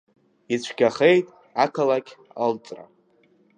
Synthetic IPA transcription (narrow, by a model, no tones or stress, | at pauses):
it͡ɕʷʰɡʲaχejtʼ | akʰalakʲʰʼ | əlt͡sʼra̰